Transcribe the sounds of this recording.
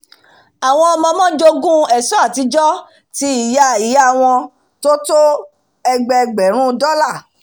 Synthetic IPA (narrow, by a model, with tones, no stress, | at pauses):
a˨w̃ɔ̃˧ɔ˧mɔ̃˧mɔ̃˦d͡ʒo˧ɡũ˦ɛ˨sɔ˦a˦˨ti˧˦d͡ʒɔ˦ | ti˧i˨ja˧˨i˨ja˦˨w̃ɔ̃˧ | to˦to˦ | ɛ˧ɡ͡bɛ˧ɡ͡bɛ˨ɾ̃ũ˦dɔ˦la˦˨